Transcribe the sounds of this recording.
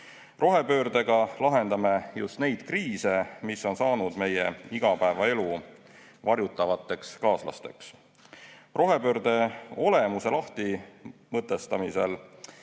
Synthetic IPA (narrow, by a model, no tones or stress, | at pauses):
ro̞ɦe̞pø̞ːɾd̪e̞ɡ̥ɑlɑɦe̞nd̪ɑme̞just̪ne̞jd̪̥kriːse̞misːo̞nsɑːnud̪̥me̞jeiɡ̥ɑpæevɑe̞lu | vɑɾjut̪ːˑɑvɑt̪ːˑe̞kskɑːslɑ̰st̪e̞ks | ro̞ɦe̞pø̞ːɾd̪̥e̞o̞le̞muse̞lɑht̪imɤt̪ˑːe̞st̪ɑmise̞̰l